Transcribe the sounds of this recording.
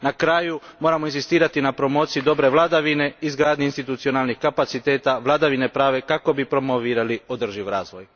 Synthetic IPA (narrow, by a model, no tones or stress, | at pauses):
nakɾaːjumo̞ːɾamoinzist̪iːɾat̪inapɾo̞mo̞ːt̪sijid̪o̞bɾe̞ʋlˠad̪aʋine̞izɡɾaːd̪ɲeinst̪it̪ut̪sio̞naːlˠnixkapat̪sit̪e̞ːt̪aʋlˠad̪aʋine̞pɾaːʋe̞kako̞bipɾo̞moʋiːɾalio̞d̪r̩ʒiʋɾaːzʋo̞j